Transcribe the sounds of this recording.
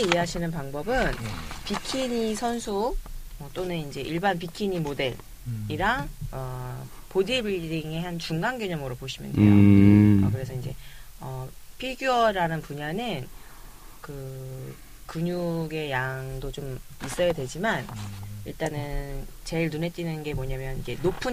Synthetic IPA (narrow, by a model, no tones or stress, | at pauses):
eieɦaɕʰinɯnpaŋbʌbɯnpikʰiɲisʰʌnsʰuʌt͈onɯnind͡ʑe̞ʔiɭbanpikʰiɲimode̞ɭ | iɾaʌ | podibdiŋe̞ɦant͡ɕuŋɡaŋɡjʌɲʌmɯɾopoɕʰimɯ̰ndejoʌkɯɾe̞sʰʌind͡ʑe̞ | ʌpʰiɡjuʌɾanɯnpuɲanɯn | kɯ | kɯɲuɡe̞jaŋdot͡ɕom | is͈ʌjadwe̞d͡ʑimaniɭt͈anɯnt͡ɕe̞iɭnune̞t̚t͡ɕ͈inɯnɡe̞moɲamjʌnind͡ʑe̞nopʰɯn